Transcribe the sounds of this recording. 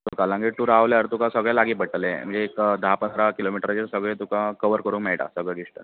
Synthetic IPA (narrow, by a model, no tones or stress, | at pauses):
t̪okalãŋɡiːʈt̪uɾaʋljəɾt̪ukãsəɡɭɛlaɡiːbəʈəlem̤əɳd͡zeːkd̪əɦapənd̪ɾakilomiʈɾad͡ʑiɾsəɡɭẽt̪ukakəʋəɾkəɾuːnkmeɭʈa̰səɡɭeɡiʂʈə̰